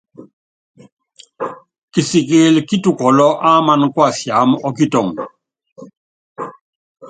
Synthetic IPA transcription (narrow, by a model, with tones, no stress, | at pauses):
ki˨si˨k̬e˦lki˦tu˨kɔ˨lɔ˦ʔa˦ma˦nkwa˦˨sja˨˦mɔ˦ki˦tɔ˨ŋ